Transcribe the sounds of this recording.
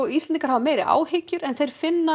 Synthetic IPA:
ɔist̪ɛniŋkaɾhavameːjɾɪʔa̰ːwhɪcʏɾɛnθejɾ̥fɪnːa

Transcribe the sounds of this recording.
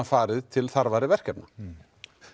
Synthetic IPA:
afaːɾɪðt̪ʰɪlθaɾvaɾɪvɛr̥cɛpna

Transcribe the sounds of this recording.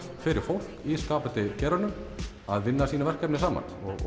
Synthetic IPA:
fɪɾɪɾ̥fowl̥kkiskaːpʏt̪ɪcɛːɾanʏm | aðvɪnːasiːnavɛr̥kɛpnɪsaːma̰nɔɣ̰

